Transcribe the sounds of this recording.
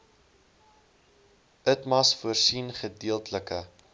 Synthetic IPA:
ətmɐsfuərsinχədiəlˠtləkə

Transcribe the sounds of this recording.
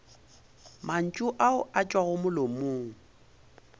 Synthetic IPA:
man̩t͡ʃʼʊʔaʊʔat͡ʃʼwaɣʊmʊlomʊːŋ̩

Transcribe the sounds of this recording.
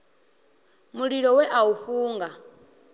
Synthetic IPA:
muɺiɺɔwɛʔauɸuːŋɡa

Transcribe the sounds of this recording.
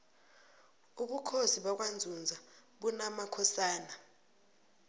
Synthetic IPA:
uɓukʰoziɓak̬wand͡zʱund͡zʱaɓunamakʰɔsaːna

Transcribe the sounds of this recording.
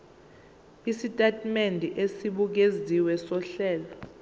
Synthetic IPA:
isitʼatʼmendʱiʔesiɓuk̬eziwɛsɔɬɛːlɔ

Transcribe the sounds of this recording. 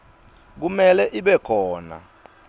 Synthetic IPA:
k̬umɛlɛʔiɓɛkʰɔːna̰

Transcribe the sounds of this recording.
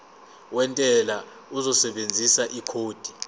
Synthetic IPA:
wɛntʼɛla | uzɔsɛɓend͡zʱisaʔikʰoːd̥ʱi

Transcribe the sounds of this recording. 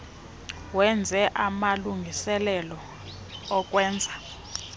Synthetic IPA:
wɛnd͡zʱɛʔamaluŋɡʱisɛlɛlɔ | ɔk̬ʼwɛːnd͡zʱa

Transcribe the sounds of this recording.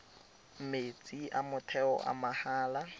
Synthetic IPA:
m̩met͡sʼiʔamʊtʰɛɔ̰ʔa̰mahaːla

